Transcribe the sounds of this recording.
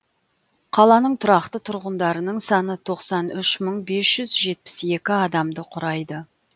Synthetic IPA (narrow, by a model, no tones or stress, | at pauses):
qʰɑlˠɑnəɴt̪ʰʊɾɑqt̪ət̪ʰʊɾʁənd̪ɑɾənəɴsɑnət̪ʰo̞qsɑnʏʃməɴbe̞sʒ̥ʏzʒe̞t̪̚pɪ̥se̞kʲɪɑd̪ɑmd̪əqʰʊɾɑjd̪ə